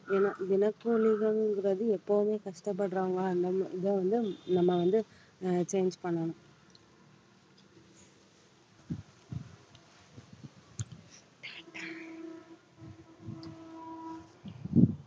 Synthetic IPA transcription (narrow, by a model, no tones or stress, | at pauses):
eːnaːʋɪnɐkːulɪɣɐŋɡɪɾɐðɯɛpːoʋɯmeːkɐʂʈɐpːɐɽɾoːŋɡaɐnɡɐmʔɪðɐːʋɐnd̪ɯnɐmːɐʋɐnd̪ɯ | t͡ʃeːnd͡ʒpɐɳːɐnʊ̃